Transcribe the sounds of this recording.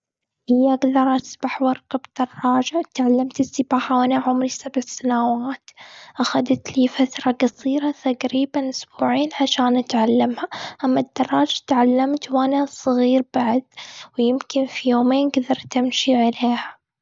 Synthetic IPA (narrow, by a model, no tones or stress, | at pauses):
ʔɪjːaʔaɡd̪ɑɾˤʔasbaħwɑɾˤkabd̪̥ɑrˤːɑːd͡ʒat̪ʕalːamt̪ɪsːɪbaːħawʔanaʕʊmɾisabʕsanawaːt̪ʔaxad̪at̪liːfat̪ɾˤɑɡɑsˤiːɾɑt̪aɡɾiːbanʔʊsbuːʕiːnʕaʃaːnʔat̪ʕalːɪmhaʔamːad̪ːɑrˤːɑːd͡ʒḁt̪ʕalːamt̪wʔanasˤɨɣiːɾbaʕad̪wjɪmkɪnfijoːmeːnɡd̪ɑɾˤt̪ɪmʃiʕaleːha